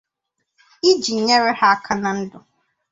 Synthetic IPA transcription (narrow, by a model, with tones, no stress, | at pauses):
i˦d͡ʒi˨ɲɛ˦ɾɪ˦ha˦a˦kʰa˨nã˨n̩˦dʊ˨